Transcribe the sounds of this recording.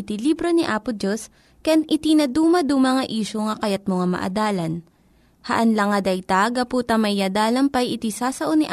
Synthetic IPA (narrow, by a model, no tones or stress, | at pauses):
t̪ilibɾo̞niʔaːpʊd̪jos | kɐjanʔɪt̪inɐd̪uːmɐd̪umɐŋɐʔiːʃoŋɐkɐjɐt̪̚moŋamɐ̰ʔɐ̰d̪aːlɐn | hɐʔɐnlɐŋɐd̪ɐjt̪aɡɐpuːt̪ɐmɐjɐd̪aːlɐŋpɐjɪt̪isaːsɐʔoniʔ